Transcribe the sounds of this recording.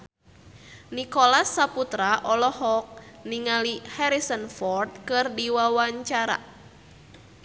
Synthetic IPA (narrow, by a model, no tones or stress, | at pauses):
nikɔlasːaput̪ɾaʔɔlɔhɔk̚niŋalihɛɾisənfɔrt̪̚kɨrdiwawaɲt͡ʃaɾa̰